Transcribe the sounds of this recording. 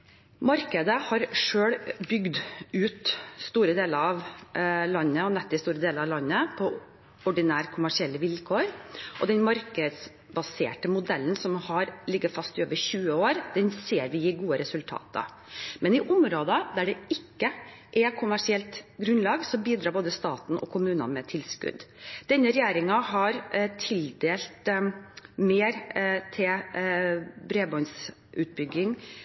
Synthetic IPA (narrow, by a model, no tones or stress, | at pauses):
mɑɾkəd̪əhɑɾʂøːɽbʏɡd̪ʉːt̪st̪uːɾəd̪eːləɾɑʋlɑnːəɔnɛt̪ːɪst̪uːɾəd̪eːləɾɑʋlɑnːəpʰɔ | ɔɖɪnæːɾkʰʊmæʂɪɛlːəʋɪlkʰoːɾʔɔ̰d̪ɛnmɑɾkəd̪s | bɑsḛːʈəmʊd̪ɛlːənsɔmhɑɾlɪɡːəfɑst̪ɪoːʋəɾçʉːəoːɾd̪ɛnseːɾʋɪjiːɡuːəɾɛsʉlt̪ʰɑ̰ːt̪ə̰ | mɛnɪʔʊmɾoːd̪əd̪æɖɛɪkːə | ʔɛkʰʊmæʂɪɛlt̪ɡɾʉnlɑːɡsɔmbiːd̪ɾɑːboːd̪əst̪ɑːt̪nʔɔ̰kʰʊmʉːnɑ̰nmɛt̪ʰɪlskʉ̰d̪d̪̥ɛnːəɾɛjeːɾɪŋɑɦɑɾt̪ʰɪld̪eːlt̪ | meːɾt̪ʰɪl | bɾeːbɔns | ʔʉːt̪̚bʏɡːɪŋ